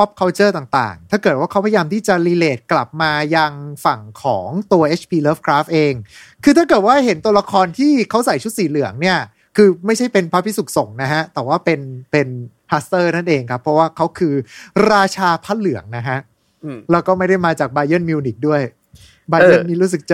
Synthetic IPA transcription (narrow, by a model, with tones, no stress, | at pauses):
pʰɔ˦˥p̚kʰa˧˥t͡ɕɤː˥˩t̪aː˨˩ŋt̪a̰ː˨˩ŋt̪ʰaː˥˩kɤː˨˩t̪̚waː˥˩ka˦wpʰa˧jaː˧mt̪ʰiː˥˩t͡ɕa˨˩liː˧leː˨˩t̪̚kla˨˩p̚maː˧ja˧ŋfa˨˩ŋkʰɔ̰ː˩˦ŋt̪u˧ɐʔe˦˥t͡ɕʰpʰiː˧lɤː˦˥fkʰɾaː˦˥f̚ʔeː˧ŋkʰɯː˧a˥˩kɤː˨˩t̪̚waː˥˩ɦe˩˦nt̪u˧ɐla˧kʰɔː˧nt̪ʰiː˥˩kʰa˦˥wsa˨˩jt͡ɕʰu˦˥t̪̚siː˨˩lɯ˨˩˦əŋni˥˩ɐ | kʰɯː˧ma˥˩jʰa˥˩jpe˧npʰa˦˥pʰi˦˥su˨˩k̚so˨˩˦ŋna˦˥kʰa˦˥ʔt̪ɛː˨˩waː˥˩pe˧npe˧n | pʰa˦˥st̪ɤː˥˩na˥˩nʔeː˧ŋkʰa˦˥pʰːɾɔ˦˥waː˥˩kʰa˦˥wkʰɯː˧ɾaː˧t͡ɕʰaː˧pʰa˦˥t̪̚lɯ˩˦əŋna˦˥kʰa˦˥ʔ | lɛː˦˥wkɔː˥˩ma˥˩jda˥˩jmaː˧t͡ɕaː˨˩k̚baː˧jɤ˥˩nmiː˧ni˨˩k̚du˥˩əj | baː˧jjɤ˥˩nmiː˥˩ɾuː˦˥s̬ɯ˨˩k̚t͡ɕ